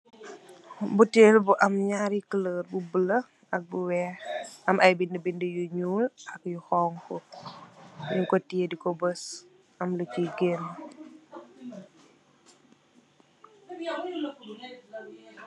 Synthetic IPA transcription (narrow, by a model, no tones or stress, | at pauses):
butelbuʔɐmɲaɾikələːɾbubələ | ʔɐk̚buwɛːɾɐmʔɐjbindəbindəjuɲuːlɐkjuxɔŋkɔ | juŋkɔtiedikɔbəs | ɐmlət͡ʃiɡen